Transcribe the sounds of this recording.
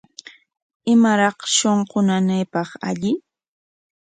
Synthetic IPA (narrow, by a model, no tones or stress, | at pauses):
ɪmaɾɑχʃoɴqʊnanajpɑχa̰ʎɪ